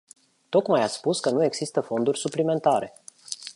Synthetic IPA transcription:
t̪o̞kmajaspuskənue̞ɡz̥ist̪əfo̞nd̪urʲsuplime̞nt̪aɾe̞

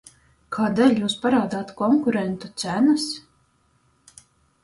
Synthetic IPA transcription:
kʰaːd̪ɛːlʲjuːspaɾaːd̪aːt̪kɔŋkuɾɛnt̪ut̪sænɨs

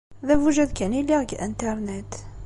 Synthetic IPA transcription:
ðævuʒæd̪kæniliʁɡʔənt̪ɑɾˤnɛt̪

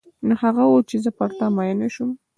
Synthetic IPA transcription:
nohaɣawot͡ʃezəpaɾt̪amajanaʃum

